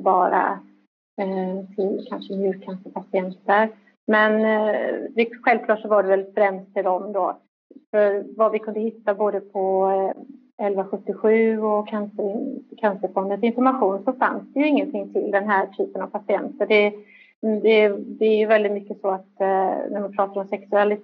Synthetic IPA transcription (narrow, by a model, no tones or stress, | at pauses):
bɑːɾa̰ | t̪ʰɪlkʰanʂəmjʉːkʰːansəpʰasɪɛnt̪əɾ | mɛn | d̪ɛɧɛlvkʰlɑːʈʂɔvaɖɛvɛlfɾɛmst̪ʰːɪld̪ɔmd̪ɔː | fœɾvavɪkʰɵnd̪əhɪt̪ːaboːd̪əpʰɔ | ɛlvaɧɵt̪ːɪɧʉ̟ːɔkʰansəkʰansəɾfɔnd̪ənsɪnfɔɾmaɧuːnsɔfa̰nsd̪ɛjɵɪŋːənt̪ʰɪŋːt̪ʰɪld̪ɛnɦæːʈʰyːpənavpʰasɪɛnt̪əɖɛ | d̪ɛd̪ɛæɾjɵvɛld̪ɪt̪mʏkːəsɔat̪næmanpʰɾɑːt̪aɾɔmsɛksɵalɪ